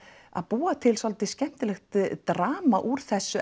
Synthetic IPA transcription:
a̰ðpuːat̪ʰɪlsalt̪ɪscɛm̥t̪ɪlɛxt̪t̪ɾaːmaʔuɾ̥θɛsːʏ

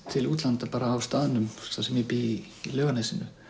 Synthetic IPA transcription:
t̪ʰɪluːt̪lant̪apaːɾaːwst̪aːðɪnʏmθasɛmjɛpi | lœːɣanajsɪnʏ

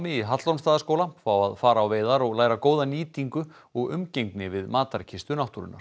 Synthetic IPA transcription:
mɪiɦat̪laownst̪aːðaskoːwlafawa̰ðfaːɾaːwveːjðaɾɔɣlaːjɾakoːwðaniːt̪iŋkʏ | ɔɣʏmcejŋknɪvɪðmaːt̪aɾcʰɪst̪ʏnawt̪uɾʏ̰naɾ̥

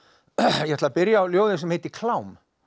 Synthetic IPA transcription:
jɛhɛt̪lðapɪɾjaːwljoːwðɪns̬ɛmhejt̪ɪkʰlawm

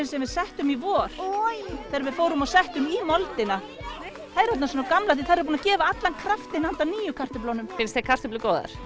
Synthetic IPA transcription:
nsɛmvɪðsɛht̪ʏmivɔːɾ̥θaɾvɪðfoːwɾʏmasɛht̪ʏmimɔlt̪ɪna | θaðɛɾœt̪nasɔːnakamlaθiθaðɾpunacɛːvaat̪lankʰɾaft̪ɪnant̪aniːjʏkʰar̥t̪ʏplownʏmfɪnst̪ekʰar̥t̪ʏplʏkɔːwða̰ɾ̥

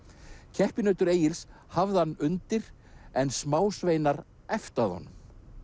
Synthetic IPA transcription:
cʰɛhpɪnœːɥt̪ʏɾeːjɪls | havðɪhanːʏnt̪ɪɾ | ɛnsmaːwsveːjnaɾ | ɛft̪aðhɔ̰nːʏm

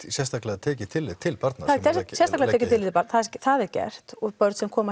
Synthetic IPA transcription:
sjɛst̪aklɛat̪ʰɛːcɪt̪ʰɪlːɪðt̪ʰɪlpaɾt̪naθat̪ʰɛssjɛst̪aklɛaɛːcɪt̪ʰɪlɪðpaɾt̪nθaðɛɾθaðɛɾcɛ̰r̥t̪ɔðpœɾt̪sɛmkʰɔːma

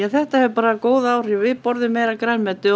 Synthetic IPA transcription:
ɛθɛht̪ahɛvʏpaːɾakoːwðaːwr̥ɪvɪpɔɾðʏmːejɾakɾajnmɛt̪ʏ

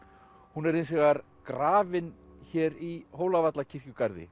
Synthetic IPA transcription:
hunɛɾɪnsvɛɣaɾ | kɾaːvɪnçɛːɾiɦoːwlavat̪lacʰɪr̥cʏkaɾðɪ̰

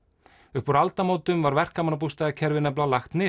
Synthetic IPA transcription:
ʏhpuɾalt̪amoːwt̪ʏmvaɾvɛr̥kamanap̬ust̪aðacʰɛɾvɪnɛp̬lalaxt̪nɪ

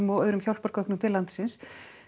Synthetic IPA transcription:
mɔɣœːɥɾʏmçawl̥pɔɾ̥kœhknʏmt̪ʰɪlant̪sɪns

